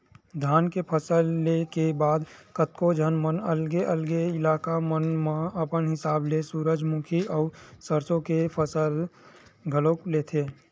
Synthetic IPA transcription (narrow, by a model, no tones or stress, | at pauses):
d̪ʱaːnkepʰəsəlːekebaːd̪kət̪kod͡ʒʱənmənəlɡeʔəlɡeɪlaːkamənmãəpənɦɪsaːblesuːɾəd͡ʒmũːkʰiɔːɾsəɾsõkepʰəsəl | ɡʱəlokleːt̪ʰeː